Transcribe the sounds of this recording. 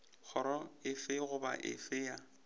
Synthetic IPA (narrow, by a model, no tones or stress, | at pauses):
k͡xʰɔɾɔɪfɪɣʊba̰ʔɪ̰fɪja